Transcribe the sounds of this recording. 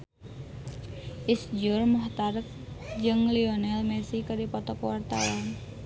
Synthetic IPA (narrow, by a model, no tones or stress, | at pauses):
ʔisd͡ʒʊrmɔht̪aɾək̚d͡ʒɨŋliɔnɛlmɛsikədipɔt̪ɔkəwart̪a̰wan